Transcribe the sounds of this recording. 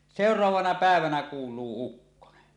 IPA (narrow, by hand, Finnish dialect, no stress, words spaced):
seˑorˑɑʋɑːnɑ pæˑeʋænæ kuːlˑuː ukːone